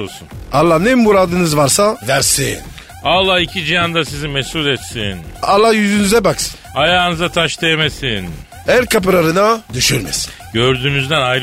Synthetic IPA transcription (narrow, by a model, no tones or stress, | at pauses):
olˠsunalˠːahneimbuɾad̪ɯnɯzvaɾsavæɾsḭn | alˠːahicʰid͡ʒijand̪asizimɛsulɛt̪sinalˠːahjyzynyzɛbaksɯ̥najaːnɯzat̪ʰaʃd̪ajemesin | æɾkʰap̬ɯɾaɾɯnad̪yʃyɾmɛ̰si̥ | ɟøɾd̪yːmyzd̪ænajɾ